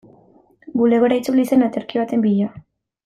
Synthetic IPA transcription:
ɡule̞ɣo̞ɾait͡sulise̞nat̪e̞ɾkiβat̪e̞mbiʎa

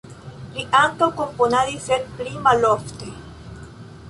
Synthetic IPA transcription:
ɾiʔank̪akomponaðiseɾpɾimaloft̪i

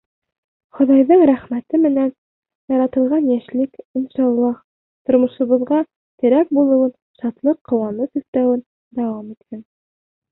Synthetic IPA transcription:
χŏðɑjðɤɴɾæχmæt̪ɘmɘ̆næn | jɑɾɑt̪ɤ̆lˠʁɑnjæʃlɘkinʃɑlˠːɑh | t̪ŏɾmŏʃŏβɤ̆ðʁɑ | t̪ɘ̆ɾæk̚bulˠɤ̆wɤn | ʃɑt̪lˠɤqʰːŏwɑnɤsʉθt̪æwɘn | d̪æwɑmit̪hæn

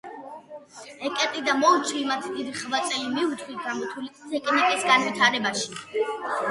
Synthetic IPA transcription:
ɛkʼɛt̪ʼid̪amɔlˠt̪sʰwimat̪ʰd̪id̪iχvat̪ʼɛimiut̪ʰʼχit̪ɡamɔt̪ʰulit̪ʼsɛkʼɛnɛpʼisɡanvit̪ʰaɾɛbaʃi̥

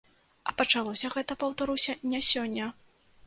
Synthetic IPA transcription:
ɐpɐt͡ʂalˠɔsʲɐɣɛt̪ɐpɐwt̪aɾusʲɐnʲasʲɔnʲːɐ

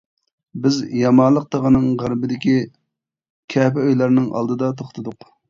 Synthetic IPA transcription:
bɪzjɑmɑnlˠəq̚t̪əʁənɨŋʁæɾbɪd̪ɪkʲi | kʲʰɛpɛøjlæɾnɪŋɑ̰lˠd̪ɨd̪ɑt̪ʰoχt̪ʰɨd̪ʊq

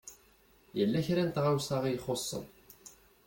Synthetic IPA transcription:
jəlːæçɾænt̪ʁawsɑʁijχosˤːə̰n

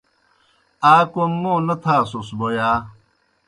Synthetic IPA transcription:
aːkomːõnɐt̪ʰaːsusbojaː

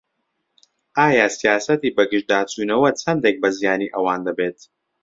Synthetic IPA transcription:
ʔaːjasijaːsɐt̪iːbɐɡɨʒd̪aːt͡suːnɐwɐt͡sʰɐnd̪ek̚bɐzijaːniːʔɐwaːnd̪ɐbeːt̪

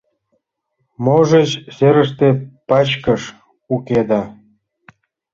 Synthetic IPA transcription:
moʒet͡ɕseɾəʃt̪epɑt͡ɕkəʃ | uked̪ɑ

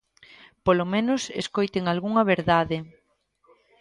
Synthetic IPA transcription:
polomẽnʊsḛskojt̪eŋalɣuŋɐβeɾðaðɪ

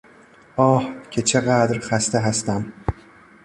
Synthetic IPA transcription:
ɒːhkʰet͡ʃʰeɢad̪ɾχæst̪ʰeɦæst̪æm

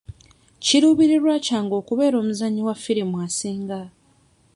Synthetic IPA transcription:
ciɾuːβiɾiɾwaːcaːŋɡo̞ːkuβe̞ːɾo̞ːmuzaɲːiwafiɾimwasiːŋɡa

